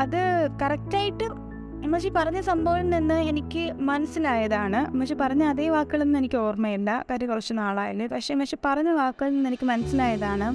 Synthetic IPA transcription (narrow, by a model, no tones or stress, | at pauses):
ɐðɨkɐrɐk̚taːjiʈːɨ | mːɐʂipɐrɐɲːɐsɐmbʱɐʋɐnninːɨenikʲːɨmɐnɐsilaːjɐðaːɳɨmɐʂipɐrɐɲːɐɐðeːʋaːkːɨɣɐɭenːɨenikʲːɨo̞ːrmɐjuɳɖɐkɐɾɐkurɐt͡ɕːunaːɭaːjɐlːepɐkʂemɐkʂe̞ːpɐrɐɲːɐʋaːkːɨɐɭninːenikʲːɨmɐnɐsilaːjɐðaːɳɨ